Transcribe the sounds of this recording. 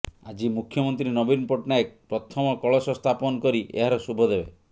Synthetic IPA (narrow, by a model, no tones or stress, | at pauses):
ad͡ʒimukʰjɔmɔnt̪ɾinɔbinpɔʈnaek̚pɾɔt̪ʰɔmɔkɔɭɔsɔst̪ʰapɔnɔkɔɾiḛɦaɾɔsubʱɔd̪ebe